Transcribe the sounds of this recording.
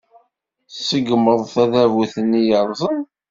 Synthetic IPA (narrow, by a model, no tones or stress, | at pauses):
səɡməðˤθæðævuθənːijəɾˤzˤən